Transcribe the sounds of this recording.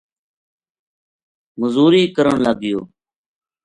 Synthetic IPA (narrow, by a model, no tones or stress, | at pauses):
məzuːɾiːkəɾəɳləɡɪjoː